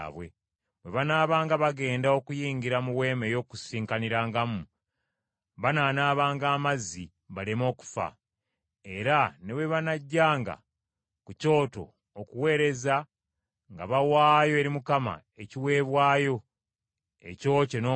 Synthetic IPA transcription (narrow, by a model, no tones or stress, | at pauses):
βwe̞̰ | βwe̞βanaːβaːŋɡaβaɡe̞ːndao̞kujiːŋɡiɾamuwe̞ːme̞jo̞ːkusiːŋkaniɾaːŋɡam | βanaːnaːβaːŋɡaːmazi | βalemo̞ːku̥fa̰ | e̞ɾane̞βwe̞βanaɟːaːŋɡa̰ | kuco̞ːto̞̰ | okuwe̞ːɾe̞za | ŋɡa̰βawaːjo̞e̞ɾimukama̰ | eciwe̞ːβwaːjo̞ | e̞̰co̞ːcenoː